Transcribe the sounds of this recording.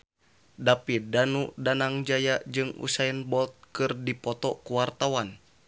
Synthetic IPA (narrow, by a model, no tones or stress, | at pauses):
dapidanudanaŋd͡ʒajad͡ʒɨŋṵsainbɔlt̪̚kɨrdipɔt̪ɔkuwart̪awan